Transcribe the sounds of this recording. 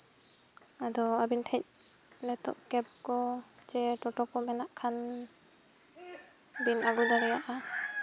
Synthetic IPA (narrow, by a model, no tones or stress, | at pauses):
adɔabintʰac̚ | nɛtɔ̰ʔkɛb̚kɔ | d͡ʒɛtɔtɔkɔmɛnaʔkʰan | binaɡudaɾɛjaʔa